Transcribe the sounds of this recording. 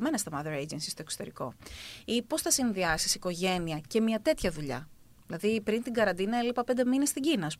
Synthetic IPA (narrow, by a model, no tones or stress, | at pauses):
me̞nɐst̪ɐmɐðeɾejd͡ʒensi̥st̪o̞e̞ksot̪e̞ɾiko̞̰ipo̞sθɐsinðiɐsisiko̞ʝe̞niɐce̞mɲɐt̪e̞t̪çɐðuʎɐ̰ | ðilɐðipɾint̪iŋɡɐɾɐnd̪inɐelipɐpnd̪e̞minest̪iɟinɐːs